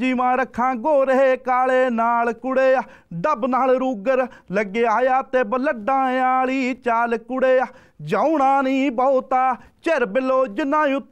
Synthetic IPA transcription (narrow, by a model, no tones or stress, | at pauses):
d͡ʒiːʋãːɾəkʰːãːɡoːɾəɦeːkaːleːnaːlkʊɽeː | ɖəbnaːlɾuːɡəɾləɡːeːaːjaːt̪eːbələɖãːjãːliːt͡ʃaːlkʊɽeː | d͡ʒaːuɳãːnĩːbəːt̪aːt͡ʃeɾbɪloːd͡ʒɪnːãːu